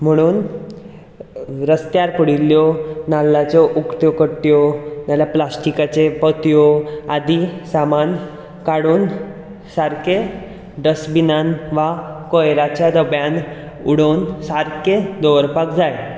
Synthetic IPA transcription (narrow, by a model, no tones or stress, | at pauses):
m̤əɽ̃uːn | ɾəst̪jaɾpəɽiljɔnalːat͡sɔʔukt̪jɔkəʈːjɔnalaplasʈikat͡sepət̪ijɔad̪isaman | kaɽuːn | saɾke | ɖəsbinanʋakojɾat͡ɕjad̪əbjãn | uɽonsaɾked̪ɔʋɾpakd͡zaj